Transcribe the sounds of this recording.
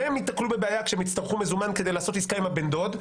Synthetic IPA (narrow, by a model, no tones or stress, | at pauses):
emit̪naklube̞beajakʃeemit̪st̪aʁχume̞zumanke̞d̪ejlaːso̞t̪iskaimabend̪o̞d̪